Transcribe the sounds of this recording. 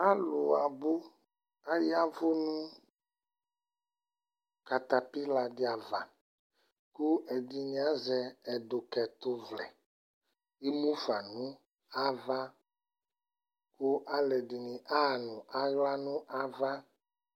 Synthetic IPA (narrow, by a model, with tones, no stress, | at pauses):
a˦lo˨a˨bo˦ | a˦ja˦vo˦nũ˦ | ka˨t̪a˨pi˦la˨ɖi˦a˨va˨ | ku˦ɛ˨ɖi˨ɲ̃˨ã˦zɛ˨ɛ˨ɖo˨kɛ˨t̪o˦vlɛ̰˨ | i˦mũ˦fa˨nũ˦ | a˦va˦ | ku˦ʔa˦lɛ˨di˨nĩ˨ʔa˦˨nũ˨ʔa˨ɣla˦nũ˦ʔa˦va˦